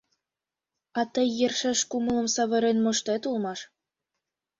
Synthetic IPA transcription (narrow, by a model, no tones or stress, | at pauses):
ɑt̪əjːerʃeʃkumɤ̆lɤ̆msɑβɤ̆ɾenmŏʃt̪et̪ulmɑʃ